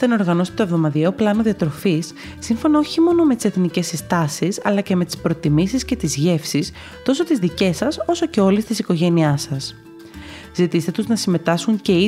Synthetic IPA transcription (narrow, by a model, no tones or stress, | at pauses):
eno̞ɾɣɐno̞se̥t̪ovðo̞mɐðieoplɐno̞ðiɐt̪ɾo̞fisː | iɱfo̞nɐo̞çimo̞no̞me̞t̪i̥se̞θnice̞sist̪ɐsisɐ̰lɐce̞me̞t̪i̥spɾo̞t̪imisisce̞t̪izʝe̞fsis | t̪o̞so̞t̪izðice̞sɐso̞so̞ceo̞lest̪isiko̞ʝe̞niɐsɐs | zit̪ist̪e̞t̪uznɐsime̞t̪ɐskuɲce̞i